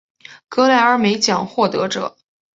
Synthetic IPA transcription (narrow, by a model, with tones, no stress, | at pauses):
kɤ˧˥la˧˥˩ɪə˞˧˥me˧˥ɪt͡ɕjɑ˨˩ŋxwɔ˥˩t̪ɤ˧˥ʈ͡ʂɤ̰˨˩˦